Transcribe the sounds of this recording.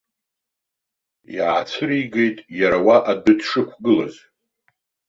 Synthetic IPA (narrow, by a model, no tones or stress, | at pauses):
jaʕat͡sʷʰɨɾiɡe̞jtʼjaɾawaʔadɨdʂɨkʷʰɡɨla̰z